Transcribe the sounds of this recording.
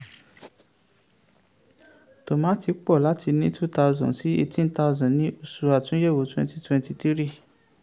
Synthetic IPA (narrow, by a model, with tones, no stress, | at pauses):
to˨mã˨˦ti˧˦k͡pɔ˦˨la˦tʰi˧nĩ˦tʰu˦˨ta˧u˧zɔ̰̃˨si˨˦e˧tĩ˦n˦ta˧u˧zɔ̃˨nĩ˨˦o˦˨su˧a˨tũ˨˦je˦˨wo˨˦tɛ̃˧nti˧twɛ̃˧nti˧ti˦ɾi˦˨